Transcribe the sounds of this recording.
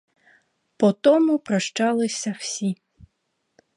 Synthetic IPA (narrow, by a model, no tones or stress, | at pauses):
pɔt̪ɔmupɾɐʂt͡ʂalˠɪsʲɐw̥sʲi